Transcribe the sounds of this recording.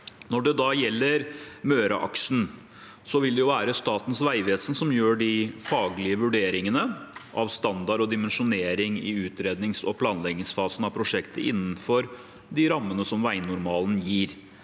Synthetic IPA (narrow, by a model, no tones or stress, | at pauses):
nɔɖɛd̪ɑjɛlːəɾmøːɾɑʔɑ̰kʂɳ̩ | sɔʋɪld̪ɛjʊʋæːɾəst̪ɑːt̪n̩sʋæɪʋeːsənsɔmjøːɖɪfɑːɡlɪəʋʉɖeːɾɪŋənəʔɑʋst̪ɑnd̪ɑɾɔd̪ɪmɛnʂʊneːɾɪŋɪ̰ʉːt̪ɾeːd̪nɪŋsɔpʰlɑːnlɛɡnɪŋsfɑːsən̩ɑʋpʰɾʊʂɛkt̪əʔɪnːnfɔɾ | d̪ɪɾɑmːənəsɔmʋæɪnʊɾmɑːlənjiːɾ